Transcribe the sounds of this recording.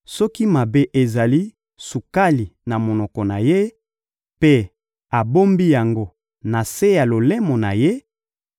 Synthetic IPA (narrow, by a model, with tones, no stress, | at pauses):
sɔ˦ki˦ma˨be˦ʔe˨za˨li˦ | su˨ka˦li˨na˨mo˨nɔ˨kɔ˨na˨je˦ | pe˦ | a˨bo˦mbi˦ja˨ŋɡo˦ | na˨se˦ja˨lo˨le˦mɔ˨na˨je˦